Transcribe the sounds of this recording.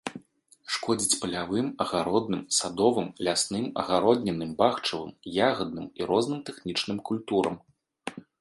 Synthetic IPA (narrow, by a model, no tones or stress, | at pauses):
ʂkɔd͡zʲit͡sʲpɐlʲavɨmɐɣaɾɔd̪̚nɨmsad̪ɔvɨmlʲasnɨmɐ̰ɣaɾɔd̪nʲɛnɨmbaxt͡ʂɐvɨ̰mjaɣɐd̪̚nɨmiɾɔznɨmt̪ɛxnʲit͡ʂnɨmkulʲt̪uɾɐ̰m